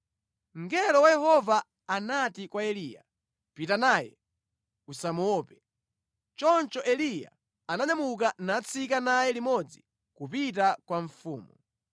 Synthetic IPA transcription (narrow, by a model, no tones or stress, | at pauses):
ŋ̩ɡɛlɔwajɛhɔvaː | natikwaɛlija̰ | pitanaːjɛ̰ | usamuɔːpɛ | t͡ʃɔnt͡ʃɔʔɛlija̰ | anaɲamukanaːt͡sʰikanajɛlimɔd͡zi | kupitakwaɱfuːmu